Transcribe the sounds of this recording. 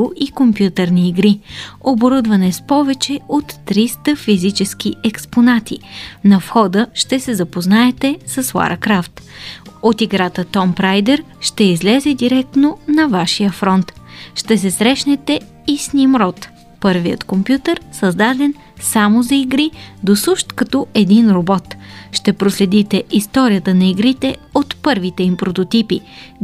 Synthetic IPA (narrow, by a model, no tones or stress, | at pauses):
ʊʔikompjut̪ɛɾniːɡɾioboɾud̪vɐnɛspɔvɛt͡ʃɛot̪ːɾist̪əfizit͡ʃɛsk̟iɛksponat̪ʰḭnɐfxɔd̪əʃt̪ɛsɛzɐpoznaɛt̪ɛsɐswˠa̰ɾkɾaft̪ot̪iɡɾat̪ət̪ɔmpɾajd̪ɛɾ | ʃt̪ɛizlɛzɛd̪iɾɛk̚t̪nonɐvaʃijəfɾɔnt̪ʃt̪ɛsɛsɾɛʃnɛt̪ɛ | isnʲimɾɔt̪ | pɤɾvijət̪kompjut̪əɾsɐzd̪ad̪ɛn | samozɐiɡɾid̪osuʃt̪kɐt̪ɔɛd̪inɾobɔt̪ʃt̪ɛpɾoslɛd̪it̪ɛʔist̪ɔɾijət̪ənɐiɡɾit̪ɛot̪pɤɾvit̪ɛimpɾot̪ot̪ipi